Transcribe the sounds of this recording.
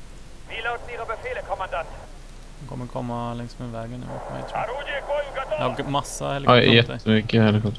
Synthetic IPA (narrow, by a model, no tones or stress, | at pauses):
vilaʊtn̩iːʁəbəfeːləkʰɔmandant̪ | hɔkʰɔ̰mːəɾkʰɔmːalɛŋsmɛvɛːɡənnʉ̰ːmfɔmɛ̰jt̪ʰɾ | d̪ɛhaɡmasːa̰hɛlːɪajɛt̪əəmʏkːəhɛlːɪkʰɔt̪